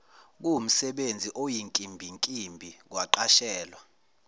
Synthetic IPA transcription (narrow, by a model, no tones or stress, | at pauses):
k̬um̩sɛɓend͡zʱiʔojiŋkʼimbʱiŋkʼimbʱik̬waǃaʃɛːlwa